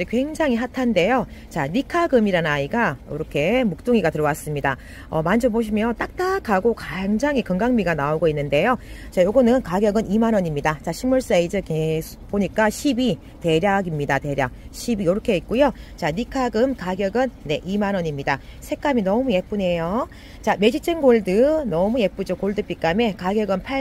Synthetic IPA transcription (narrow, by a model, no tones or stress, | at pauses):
d͡ʑekwe̞ŋd͡ʑaŋiɦatʰande̞jot͡ɕanikʰaɡɯmiɾannaiɡaiɾʌkʰe̞muk̚t͈oŋiɡatɯɾʌwas͈ɯmɲida | ʌmand͡ʑʰoboɕ̬ʰimjʌnt͈ak̚t͈akaɡokaŋd͡ʑaŋikɯŋɡaŋmiɡanaoɡoinːɯnde̞jot͡ɕajoɡʌnɯnkaɡjʌɡɯnimanʌɲimɲidat͡ɕaɕʰimuɭs͈aeid͡ʑeke | poɲik͈aɕʰibi | te̞ɾjaɡimɲidate̞ɾjak̚ɕʰibijoɾʌkʰe̞it̚k͈ujot͡ɕanikʰaɡɯmkaɡjʌɡɯnːe̞ʔimanʌɲimɲida | sʰe̞k͈aminʌmuje̞p͈une̞jo | t͡ɕame̞d͡ʑit͡ɕ͈ʰeŋɡoɭdɯnʌmuje̞p͈ud͡ʑokoɭdɯp͈ik͈ame̞kaɡjʌɡɯnpʰa